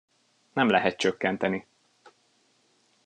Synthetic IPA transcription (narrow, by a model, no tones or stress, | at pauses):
nɛmlɛɦɛt̪̚t͡ʃøkːɛnt̪ɛni